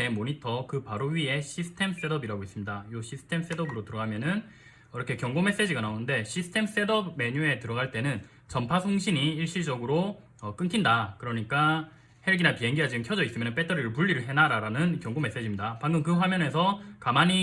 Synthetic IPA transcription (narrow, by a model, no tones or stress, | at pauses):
e̞moɲitʰʌkɯpaɾoɥie̞ɕʰisʰɯ̥tʰe̞ms͈e̞dʌbiɾaɡois͈ɯmɲidajoɕʰisʰɯ̥tʰe̞ms͈e̞dʌbɯɾotɯɾʌɡamjʌnɯn | ʌɾʌkʰe̞kjʌŋɡome̞s͈e̞d͡ʑiɡanaonɯnde̞ɕʰisʰɯ̥tʰe̞ms͈e̞dʌbme̞ɲue̞tɯɾʌɡaɭt͈e̞nɯn | t͡ɕʌmpʰasʰoŋɕʰiɲiiɭɕ͈id͡ʑʌɡɯɾo | ʌk͈ɯnkʰindakɯɾʌɲik͈a | heɭɡinapie̞ŋɡiɦad͡ʑinɯnkʰjʌd͡ʑʌis͈ɯmjʌnɯnp͈e̞tʰʌɾiɾɯɭpuɭːiɾɯɭɦe̞naɾaɾanɯnkjʌŋɡome̞s͈e̞d͡ʑimɲidapaŋɡɯmkɯɸwamjʌne̞sʰʌkamaɲi